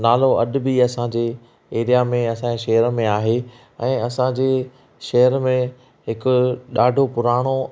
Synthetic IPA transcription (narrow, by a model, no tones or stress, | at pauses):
naːloɐɗ̆biɐsãd͡ʑeː | eːɾijamẽɐsãeʃɐɦəɾmẽaːɦe | ɛ̃ːɐsãd͡ʑeː | ʃɐɦəɾmẽ | ɦɪkʊ̆ɗaːɖʱopʊɾaːɽ̃o